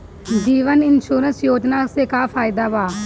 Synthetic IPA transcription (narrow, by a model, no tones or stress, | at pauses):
d͡ʒiːʋənɪnʃuːɾənsjoːd͡ʒnaːseːkaːpʰaːɪd̪aːbaː